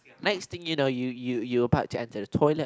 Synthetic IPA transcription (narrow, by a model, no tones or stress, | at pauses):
nɛkst̪ɪ̃ŋjunoʊjujujuəbaʊtʰuɛ̃ntʰədətʰɔɪlə